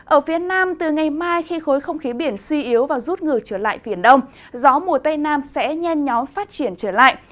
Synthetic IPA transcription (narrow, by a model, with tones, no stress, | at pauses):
ʔəː˧˩fi˨˦ənaː˧mt̪ɨ˨˩ŋa˨˩jmaː˧jxi˧xo˨˦jxə˧wŋ͡mxi˨˦ɓi˧˩ənswi˧ʔi˨˦əwvaː˨˩zu˦˥t̚ŋɨ˨˩ət͡ɕəː˧˩la̰ː˧˨jvi˧˩ənɗə˧wŋ͡m | zɔ˨˦mu˨˩ət̪ə˧jnaː˧msɛ̰˧˥ɲɛ˧nɲɔ˨˦mfaː˦˥t̚t͡ɕi˧˩ənt͡ɕəː˧˩la̰ː˧˨j